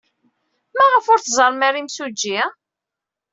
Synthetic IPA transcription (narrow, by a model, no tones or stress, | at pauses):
mæʁəfʊɾθzˤəɾˤmæɾimsud͡ʒːi